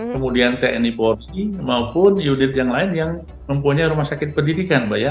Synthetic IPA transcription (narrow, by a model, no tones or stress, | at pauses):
kəmudiant̪eʔɛniporimaupʊnjunɪt̪jaŋlaɪnjaŋ | məmpuɲaɾumahsakɪt̪̚pərdidikanbaja